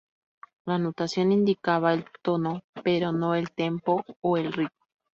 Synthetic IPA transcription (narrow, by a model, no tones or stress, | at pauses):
lanut̪asjonind̪ikaβaelt̪onopeɾonoelt̪empoːelriko̥